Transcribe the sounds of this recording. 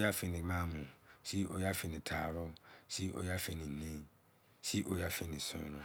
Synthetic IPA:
ja˦fi˨ni˨maː˦mũ˨si˦ʔo̰˨ja˦fi˨ni˨tʰaː˨ɾʊ˦si˦ʔo̰˨ja˦fe˨ni˨nĩ˦ | si˦ʔo˨ja˦fe˦ni˨sʊ̰̃˨˦ɾʊ˦

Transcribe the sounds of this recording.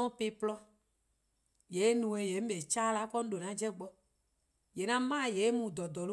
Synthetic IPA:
ɔ̃˦pe˦plɔ˦ | je˨˦nũ˨e˨je˨˦m̩˦be˨t͡ʃa˦la˦kɔ˦ñ̩˦ɖo˨nã˨˦d͡ʒɛ˦ɡ͡bɔ˦ | je˨nã˦mã˦˨je˨e˦mũ˨d̪ɔ˨d̪ɔ˨l

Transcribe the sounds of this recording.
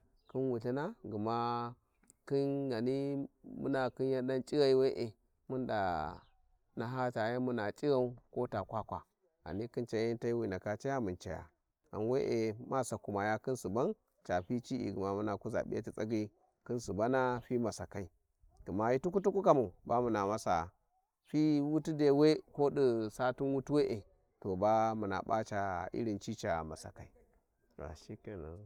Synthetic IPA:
ki˦nwu˨ɬa˦na˦ɡu˨ma˦ | ki˦nɡa˨ni˦mṵ˦na˨ki˦n˦a˦da˦nt͡ʃʼi˦ɣa˦i˦we˦ʔe˨ | mu˦nda̰˨ | na˨˦ɦa˦t͡ʃa˨ja˦mu˦na˨t͡ʃʼi˦ɣa˦u˦ko˦ta˨kʷa˦kʷa˨ | a̰˨ni˦ki˦nt͡ʃa˦ja˦n˦ta˦i˦wi˨na˨ka˨t͡ʃa˦ja˦mu˨t͡ʃa˨ja̰˨ | a̰˨nwe˦ʔe˨ma˦sa˨ku˨ma˨ja˦ki˦nsu˨ba˦n | t͡ʃa˨ɸi˦t͡ʃi˦ḭ˨ɡi˨ma˨mu˦na˨ku˦za̰˨ɓi˦a˦t͡ʃi˨t͡sʼa˦ɡi˦ | kɨ˦nsu˨ba˦na˦ɸi˦ma˨sa˨ka˨i˦ | ku˨ma˨i˦tu˦ku˦tu˦ku˦ka˦mu˨ba˦mu˨na˨ma˦sa˨ | ɸi˦wu˦tu˦de˨˦we˦ko˦ɗi˦˨sa˦tu˦nwu˦tu˦we˦ʔe˨ | to˨ba˦mu˨na̰˨ɓa˦t͡ʃa̰˨ʔḭ˦ɾi˨nt͡ʃi˦t͡ʃa˨ma˨sa̰˨ka˨i˦ | wa̰˨ʃi˦ke˨na̰˨

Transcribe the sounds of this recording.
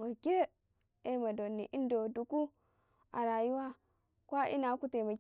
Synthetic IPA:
ma˨kʲe˦ | e˨ma˨do˨nːi˨ʔi˦n˦do˨du˨ku˦ | a̰˨ɾa˨ju˦wa˦ | kʷa˦ʔḭ˦na˨˦ku˦te˨ma˨

